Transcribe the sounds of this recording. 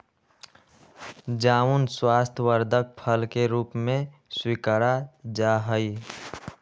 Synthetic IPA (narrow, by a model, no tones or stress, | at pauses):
d͡ʒaːunswaːst̪ʰəwəɾd̪ʱək̚pʰəlkeɾuːpmẽswikəɾad͡ʒaɦəi